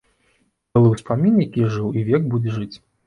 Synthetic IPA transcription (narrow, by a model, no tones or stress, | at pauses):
ɛlˠɨwspamʲinʲjakʲiʐɨwivʲɛɡbud͡zʲɛʐɨt͡sʲ